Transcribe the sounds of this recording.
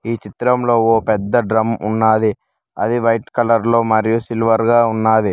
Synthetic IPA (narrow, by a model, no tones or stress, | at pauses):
iːt͡ʃit̪ɾɐmlo̞ːoːpɛd̪ːɐɖɾɐmunːaːd̪i | ɐd̪iʋɐjʈkɐlɐɾlo̞ːmɐɾijusilʋɐɾɡaːunːaːd̪i